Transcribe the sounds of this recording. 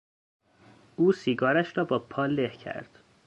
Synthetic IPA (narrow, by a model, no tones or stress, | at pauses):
uːsiːɡɒːɾæʃɾɒːbɒːpʰɒːlehcʰæ̰ɾd̪̥